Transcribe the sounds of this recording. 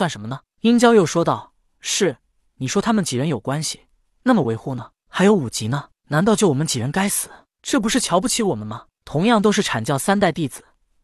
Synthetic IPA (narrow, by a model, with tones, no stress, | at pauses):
swa˥˩nʂə˧˥nmə˧nə˩ | i˥nt͡ɕjɑ˥ʊjo˥˩ʊʂwɔ˥t̪ɑ˥˩ʊ | ʂɻ̩˥˩ | ni˨˩ʂwɔ˥t̪ʰa˥mə˨nt͡ɕi˨˩ɻə˧˥njo˨˩ʊkwa˥nɕi̥˨ | na˥˩mə˩we˧˥ɪxu˥˩nə˩ | xa˧˥ɪjo˧˥ʊu˨˩t͡ɕi˧˥nə˧ | na˧˥nt̪ɑ˥˧ʊt͡ɕjo˥˩ʊwɔ˨˩mə˦nt͡ɕi˨˩ɻə˧˥nka˥ɪsɹ̩˨˩˦ | ʈ͡ʂɤ˥˩p̬u˧˥ʂɻ̩˥˩t͡ɕʰjɑ˧˥ʊpu˥˩t͡ɕʰi˧˥wɔ˨˩mə˦nmɐ˧˩ | t̪ʰʊ˧˥ŋjɑ˥˩ŋt̪o˥ʊʂ̬ɻ̩˥˩ʈ͡ʂʰa˨˩nt͡ɕjɑ˥˩ʊsa˥nt̪a˥˧ɪt̪i˥˩d͡zɹ̩˨˩˦